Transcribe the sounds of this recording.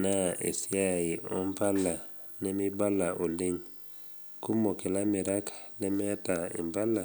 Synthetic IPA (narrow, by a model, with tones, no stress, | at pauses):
na˦ʔḛ˨si˦a˦˨i˨ɔ˦mpa˦la˨nɛ˦mi˦ba˦la˨ʔo˨li˦ɲ | ku˦mo˨kɛ˨la˦mɪ˨ɾa˦klɛ˦mɛ˦ta˨ḭ˨mba˦la˨